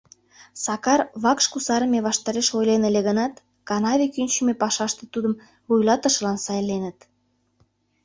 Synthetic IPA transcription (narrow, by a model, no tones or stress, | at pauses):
sɑkɑrβɑkʃkusɑɾə̆meβɑʃt̪ɑɾeʃojlenəleɣənɑt̪ | kɑnɑβʲekynʲt͡ɕymepɑʃɑʃt̪et̪ud̪əm | βujlɑt̪ə̆ʃə̆lɑnsɑjlenət̪